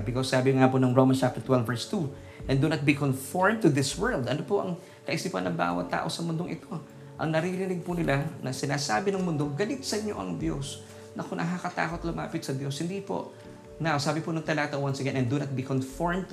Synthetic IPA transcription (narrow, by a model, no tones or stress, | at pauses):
bɪkosːaːbɪŋaːponɐŋɹomɐnst͡ʃap̚t̪ɛɹt̪wɛlvɛɹst̪u | ʔɛ̃nd̪unɐt̪̚bikonfoɹmt̪ʊd̪ɪswɛɹld̪ɐnopoʔɐ̰ŋ | kɐʔɪsiːpɐ̰nːɐŋba̰ːwɐ̰t̪ːa̰ːʔo̞sɐmʊnd̪oŋʔɪ̰t̪o̞ | ʔɐ̰ŋnɐɾiɾɪnɪɡ̚pʊnɪlʔanɐsɪnaːsaːbɪnɐŋmʊnd̪o̞ɡɐlɪt̪̚sɐɲːo̞̰ʔɐ̰ŋd̪jo̞̰s | nʔɐkonʔɐɦakɐt̪a̰ːko̞t̪lʊma̰ːpɪt̪sɐd̪jo̞shɪnd̪ipo̞̰ʔ | nawsaːbɪponɐŋt̪ɐlɐɡat̪ɐwansɛɡɛnɐnd̪unɐt̪̚bikonfoɹmt̪